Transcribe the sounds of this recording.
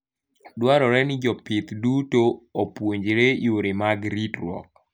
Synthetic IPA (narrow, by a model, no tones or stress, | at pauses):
dwaɾɔɾɛnɪd͡ʒɔpɪt̪dutoopwoɲd͡ʒɾejoɾemaɡɾitɾwɔ̰k̚